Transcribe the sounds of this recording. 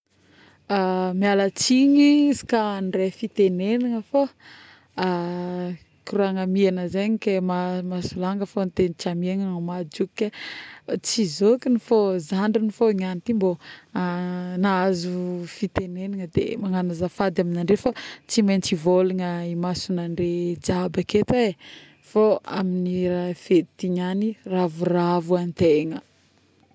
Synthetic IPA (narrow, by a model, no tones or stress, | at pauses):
amialət͡siɲiizi̥kanrefit̪eneniŋəfo | a | kiruaŋamianəzeɲikemamasulaŋɡəfont̪enit͡ʃamiaŋənomad͡ʒukːe | t͡sizokinifozaɳɖ͡ʐinifoiɲanit̪imboanaazufit̪enenaŋəd̪ḛmaŋanazafad̪aminaɳɖ͡ʐefot͡simajnt͡sivolaŋəimasunaɳɖ͡ʐed͡ʒabaket̪e | foaminiɾafet̪t̪iɲaniravuravuanit̪eŋə